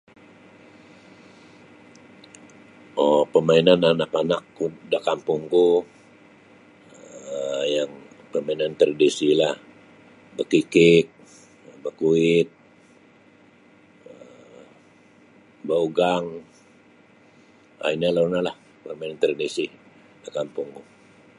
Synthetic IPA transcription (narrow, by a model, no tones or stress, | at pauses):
opəmainananaʔpanakːudaʔkampuŋku | jaŋ | pəmainant̪ɾadisilah | bəkikɪt̪̚ | bəkuɪt̪̚ | ə | bauɡaŋ | a̰inalaunalah | pərmainant̪ɾadisi | dakampuŋɡu